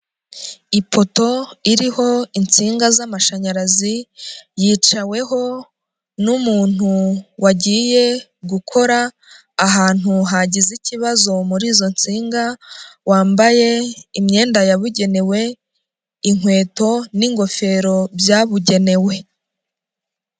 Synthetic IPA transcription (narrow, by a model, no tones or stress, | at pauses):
ipʰo̞to̞iɾiho̞int͡siːŋɡazamaʃaɲaɾazijiːt͡ʃawe̞ɦo̞ | numuːn̥uwaɟiːje̞ | ɡukʰo̞ɾaː | ɦaːn̥uɦaɟiziciβazo̞muɾiːzo̞nt͡siːŋɡawaːmbaje̞imɲe̞ːndajaβuɟe̞ne̞we̞ | iŋwe̞ːto̞niŋɡo̞fe̞ːɾo̞bjaːβuɟe̞ne̞we̞